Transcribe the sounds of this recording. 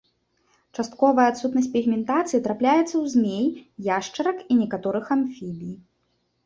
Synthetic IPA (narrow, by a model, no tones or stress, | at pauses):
t͡ʂast̪kɔvɐjɐːt̪sut̪nɐsʲtʲpʲiɣmʲɛnt̪at̪sɨit̪ɾaplʲajɛt̪sɐwzʲmʲejjaʂt͡ʂɐɾɐkinʲɛkat̪ɔɾɨxamfʲilʲij